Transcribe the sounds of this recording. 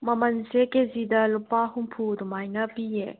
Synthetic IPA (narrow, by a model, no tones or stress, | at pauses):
mɐmɐnsekezidɐlupaɦumpʰudumajnɐpiḛ